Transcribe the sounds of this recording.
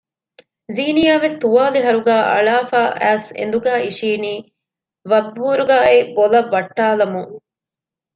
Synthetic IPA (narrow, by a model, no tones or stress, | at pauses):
ziːnijaːʋest̪uʋaːliɦɐɾuɡæːʔɐ̰ɭaːfaːʔæ̰ːsḛnd̪uɡæːiʃiːniː | ʋɐbːuːɾuɡaːebolɐʋːɐʈːaːlɐmuŋ